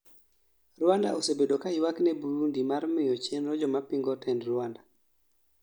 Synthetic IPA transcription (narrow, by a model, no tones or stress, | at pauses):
rwanda̰ʔosebedokaɪwaknɛbuɾundimaɾmɪjɔt͡ʃenɾɔd͡ʒɔmapiŋɡɔtɛndɾwanda